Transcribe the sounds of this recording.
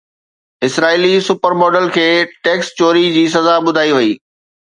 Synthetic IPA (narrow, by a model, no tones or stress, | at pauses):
ɪsɾaːilisʊpəɾmɔːɖəlkʰeːʈeːkst͡ɕoːɾid͡ʑiːs̬ɐzaɓʊd̪ʱaːiʋɐiː